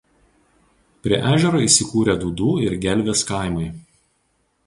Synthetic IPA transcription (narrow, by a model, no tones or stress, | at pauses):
pʲɾʲiɛʔæːʒʲɛɾoːiːˑsʲɪkuːɾʲed̪uːd̪uːɪɾɡʲɛlʲʋʲeːskɑˑɪmɐɪ